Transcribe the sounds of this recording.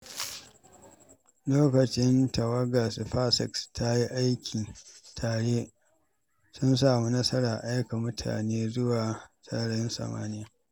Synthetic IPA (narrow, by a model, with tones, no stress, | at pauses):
loː˦kɐ˨t͡ʃɪ˦ntɐ˨wɐ˦ɡa˨sɸa˦sɪ̰˨kstʰa˦ji˦ʔa˦jkʲʰiː˨tʰaː˨ɽeː˦ | sʊ˦ns̬aː˨mu˦nɐ˦sɐ˦ɽaː˨ʔa˦jka˨mʊ˦tʰa̰ː˨neː˦zʊ˦waː˨sɐ˦ɽɪ˦nsɐ̰˨ma̰ː˦nɪ˦ja˦